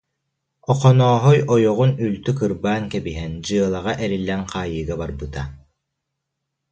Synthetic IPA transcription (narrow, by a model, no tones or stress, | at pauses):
ɔqɔnɔːɦɔjɔjɔʁunylt̪ykɯɾbaːŋkɛbiɦɛnd͡ʑɯɐlˠaʁaʔɛɾilːɛnqaːjɯːɡabaɾbɯt̪a